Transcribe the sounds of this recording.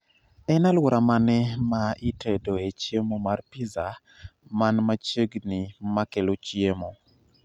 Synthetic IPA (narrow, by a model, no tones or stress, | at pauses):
ɛnalwɔɾamanɛmaitʰedoet͡ʃjemomarpiza | manmat͡ʃəɡnimakelot͡ʃjemo